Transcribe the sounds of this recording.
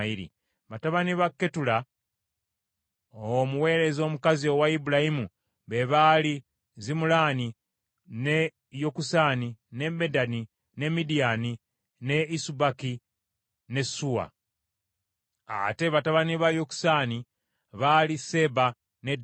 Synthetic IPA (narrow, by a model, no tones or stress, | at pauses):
iɾḭ | βataβaniβakːetula | omuwe̞ːɾe̞zo̞ːmukazio̞waibulahimu | βe̞βali | zimulaːni | ne̞ | jokusaːnine̞bedani | ne̞midijani | ne̞isubaki | ne̞suwa̰ | a̰te̞βataβaniβajoku̥sani | βalise̞ba | ne̞d